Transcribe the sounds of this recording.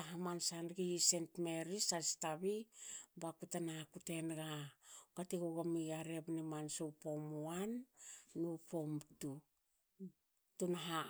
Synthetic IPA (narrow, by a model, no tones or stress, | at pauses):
aɦamansanɡiisentme̞ɾisastaβibakutanakute̞nɡakatiɡuɡamiaɾe̞bnimansowpo̞muanː | upo̞mtu | tunɦa